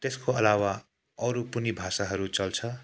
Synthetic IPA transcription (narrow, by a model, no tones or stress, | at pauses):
t̪eskoʌlawa | ʌɾupunibʱasaɦʌɾut͡sʌlt͡sʰʌ